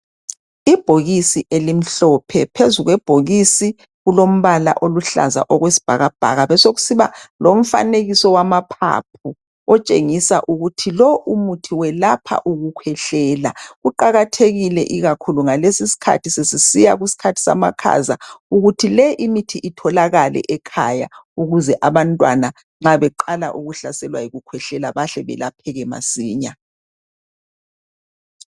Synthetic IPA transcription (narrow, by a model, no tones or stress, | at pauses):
ib̥ʱoɣisiʔelim̩ɬɔpʰɛpʰezuɣwɛb̥ʱoɣisi | ɣulom̩βala̰ʔoluɬa̰za̰ʔɔɣwesi̥b̥ʱa̰ɣab̥ʱa̰ɣaβɛsoɣusiβalom̩fa̰neɣisɔwamapʰa̰p̚ʰu | ɔt͡ʃʼeŋisaʔuɣutʰilɔʔumutʰiwɛlapʰa̰ʔuɣukʰwɛɬɛːlaɣuǃaɣatʰeɣilɛʔiɣakʰuluŋalesisi̥kʰa̰tʰisesisijaɣisi̥kʰatʰi̥sa̰makʰa̰zauɣutʰilɛʔimitʰiʔitʰɔlaɣalɛ̰ʔɛkʰaja̰uɣuzɛʔaβantʼwana | ŋ͡ǁaβɛǃala̰ʔuɣuɬasɛlwajiɣukʰwɛɬɛlaβaɬɛβɛ̰lapʰɛɣɛma̰siːɲa